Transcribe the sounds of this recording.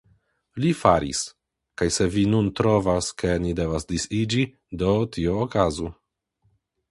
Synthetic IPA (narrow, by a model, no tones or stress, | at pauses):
lifaɾḭs | kajse̞vinuntɾo̞vaske̞nide̞vasdisid͡ʒi | do̞tʰioːkazu